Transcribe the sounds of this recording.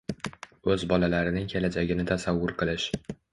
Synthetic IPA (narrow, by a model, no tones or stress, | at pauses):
ɵzbɒlalaɾɪnɪŋkʲʰelad͡ʒaɡʲɪnɪt̪ʰasavːʊɾqɨlˠɪʃ